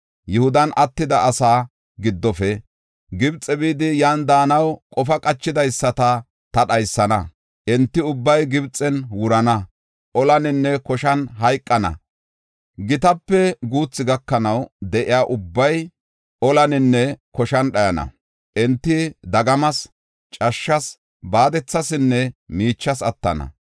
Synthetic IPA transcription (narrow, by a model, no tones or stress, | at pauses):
jʊhʊd̪ɐnʔɐt̪ːɪd̪ɐʔːsaː | ɡɪd̪ːɔfɛ | ɡɪbt͡sʼɛbiːd̪ɪjaːnd̪aːnɐwkʼɔfɐkʼɐt͡ʃːɪd̪ɐjsːɐt̪ɐ | t̪ɐɗɐjsːɐnɐ̰ | ʔɛnt̪ːɪʊbːɐjɡɪbt͡sʼːɛnwʊɾɐnɐ | ʔɔlɐnɪnːɛkɔʃɐnɦɐjkʼːɐnɐ̰ | ɡɪt̪ɐpːɛɡuːt͡sːɪɡɐkːɐnɐwd̪ɛʔɪjaːʔʊbːɐj | ɔlɐnɪnːɛkɔʃɐnɗɐjɐnɐ̰ | ʔɛnt̪ːɪd̪ɐɡɐmɐs | t͡ʃʼɐʃːɐs | baːd̪ɛt͡sːɐsɪnːɛmiːt͡ʃːɐsɐt̪ːɐ̰nɐ̰